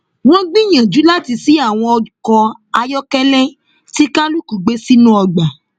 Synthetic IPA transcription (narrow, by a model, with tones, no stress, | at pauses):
w̃ɔ̃˦ɡ͡bĩ˦j̃ã˨d͡ʒu˨˦la˦ti˧si˨˦a˦˨w̃ɔ̃˧ɔ˧kɔ˧a˧jɔ˦kɛ˦lɛ̃˦ | ti˦kã˦lu˦ku˨ɡ͡be˨˦si˦nũ˦ɔ˧ɡ͡ba˨